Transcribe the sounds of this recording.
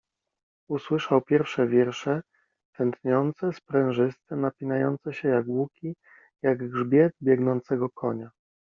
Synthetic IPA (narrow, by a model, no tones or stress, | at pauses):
uswɘʂawpʲjɛɾfʂɛvʲjɛɾʂɛ | t̪ɛnt̪ɲɔnt̪sɛspɾɛ̃w̃ʐɘst̪ɛmnapʲinajɔnt̪sɛɕɛjaɡwukʲi | jaɡɡʐbʲjɛd̪bʲjɛɡnɔnt̪sɛɡɔkʰɔɲa